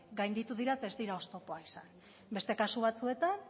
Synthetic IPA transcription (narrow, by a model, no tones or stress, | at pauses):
ɡajnd̪it̪uðiɾat̪aezd̪iɾao̞st̪o̞po̞aisan | be̞st̪e̞kasuβat͡sue̞t̪an